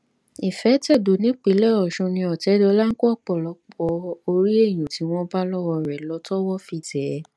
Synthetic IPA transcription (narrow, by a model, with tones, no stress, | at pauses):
i˨fɛ˨˦tɛ˦˨do˨nĩ˨˦k͡pe˨˦lɛ˦˨ɔ˨ʃũ˧nĩ˧ɔ˨tɛ˨˦dɔ˧˦la˦ŋ̩˦kɔ˦ɔ˦˨k͡pɔ˦˨lɔ˨˧˦k͡pɔ˧o˧ɾi˦e˦˨j̃ũ˨ti˨˦w̃ɔ̃˦ba˦lɔ˦wɔ˧ɾɛ˨lɔ˧˦tɔ˦wɔ˦fi˧˨dɛ˨˦